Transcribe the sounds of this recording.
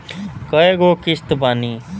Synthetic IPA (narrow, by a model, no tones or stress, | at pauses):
kʌeɡokist̪upani